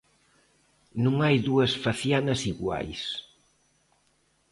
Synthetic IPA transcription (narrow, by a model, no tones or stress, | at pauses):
nũŋajðuɐsfaθjanɐsiɣwa̰js